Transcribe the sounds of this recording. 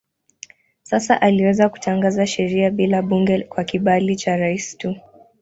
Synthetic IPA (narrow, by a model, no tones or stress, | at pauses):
sasa̰ʔaliwɛzaku̥taŋɡazaʃɛɾiaɓilaɓuŋɡɛkwakiɓalit͡ʃaɾaisi̥tu